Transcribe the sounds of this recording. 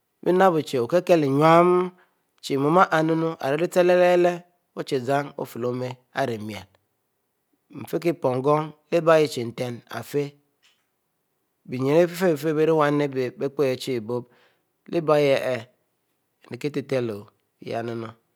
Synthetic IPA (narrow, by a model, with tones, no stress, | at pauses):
bi˦na˦bu˨t͡ʃe˨o˨ke˦ke˦li˨ɲʷ˦a˦m˦ | t͡ʃi˨mo˨ma˦ʔa˨nu˦nu˦ʔa̰˨ɾe˨˦li˦te˦le˦le˦le˦ | o˦t͡ʃe˨za˦ŋo̰˦fi˨lo˨˦me˦ | a̰˨ɾe˨mi˨a̰˨n | m̩˨fe˦k̬i˦po˨ŋ˦ɡo˦ŋli˦ba˦ji˦t͡ʃi˨n̩˨te˦na̰˨fe˦ | bi˨ɲe˨ɾe˦fi˦fe˦bfe˦be˦ɾi˦wa˦ne˦be˨be˦k͡po˦je˨t͡ʃi˦˨bo˦b | li˦ba˦je˨ʔe˨ | ni˨ki˦ti˨te˦˨lo˨ | j̰a̰˨nu˦no˦